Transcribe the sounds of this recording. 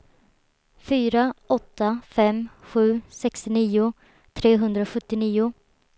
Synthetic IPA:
fyːɾaɔt̪ːafɛmɧʉ̟ːsɛkst̪ɪniːʊ | t̪ʰɾeːɦɵnd̪ɾaɧɵt̪ːɪniːʊ

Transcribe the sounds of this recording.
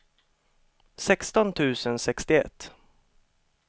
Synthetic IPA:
sɛkst̪ɔnt̪ʰʉ̟ːsənsɛkst̪ɪɛ̰t̪ː

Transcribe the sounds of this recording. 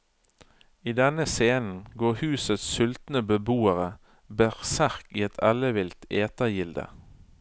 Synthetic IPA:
iːd̪ɛnəseːnn̩ɡoːʁhʉːsət̪ssʏlt̪n̩əbəbuːəʁə | bæʁsæʁkiːɛt̪ʰɑləʋɪlt̪eːt̪əjɪld̪ə̰

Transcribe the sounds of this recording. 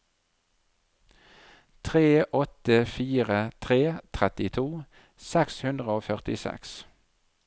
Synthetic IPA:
t̪ʰʁeːʔɔt̪əfiːʁət̪ʰʁeːt̪ʰʁɛt̪ɪt̪ʰuː | sɛkshʉnd̪ʁəoːfœʁt̪ɪsɛ̰ks

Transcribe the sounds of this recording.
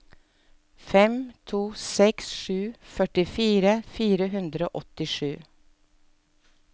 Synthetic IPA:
fɛmt̪ʰuːsɛksʃʉːfœʈɪfiːɾəfiːɾəɦʉnd̪ɾəo̰ːʔɔt̪ɪʂʉː

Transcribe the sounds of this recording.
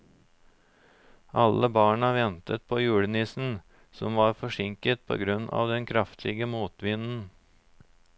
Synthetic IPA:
ʔɑləbɑːɳɑʋɛnt̪ət̪̚pʰoːjʉːɽənɪsn̩ | sɔmʋɑːɾfɔʂɪŋkət̪̚pʰo̰ːɡɾʉnɑ̰ːʋd̪ɛnkʰɾɑft̪ʰɪɡəmuːt̪ʋɪnn̩

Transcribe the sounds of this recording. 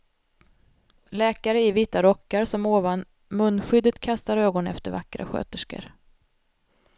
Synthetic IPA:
lɛːkaɾəɪviːt̪aɾɔkːaɾsɔmoːvan | mɵnːɧʏd̪ːət̪kʰast̪aɾøːɡɔnɛ̰ft̪əɾva̰kːɾa̰ɧø̰ːt̪əʂkə̰ɾ

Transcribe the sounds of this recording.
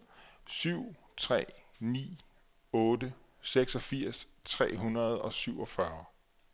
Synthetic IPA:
syʊ̰ | t͡sʰʁɛ̰ː | nḭː | ɔ̽ːdə | seɡ̥sɒ̽fiɐ̰s | t͡sʰʁɛ̰ːɦunɐð̞̩ˠɒ̽syʊɒ̽fɶɐ

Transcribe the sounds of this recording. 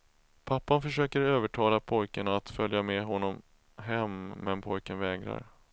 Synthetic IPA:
pʰapːanfœʂøːkəɾøːvəʈʰɑːlapʰɔjkanaːt̪fœljamɛɦɔnːɔm | ɦɛmːɛnpʰɔjkənvɛːɡɾa̰ɾ

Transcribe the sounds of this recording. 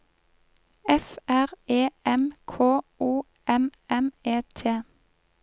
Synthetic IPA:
ɛfæʁeːɛmkʰoːʔuː | ɛmɛmeːt̪ʰeː

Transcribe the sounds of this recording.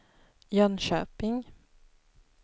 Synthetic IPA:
jœnʃøːpɪŋ

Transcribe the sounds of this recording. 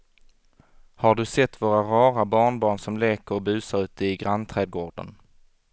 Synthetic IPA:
haɖɵsɛt̪ːvoːɾaɾɑːɾabɑːɳbɑːɳsɔmleːkəɾɔbʉ̟ːsaɾʉ̟ːt̪əɪɡɾant̪ʰɾɛːd̪̚ɡoːɖə̰n

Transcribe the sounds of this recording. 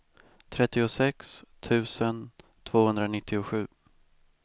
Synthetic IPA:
t̪ʰɾɛt̪ːɪʊsɛkst̪ʰʉ̟ːsənt̪ʰv̥oːhɵnd̪ɾanɪt̪ʰːɪʊɧʉ̟ː

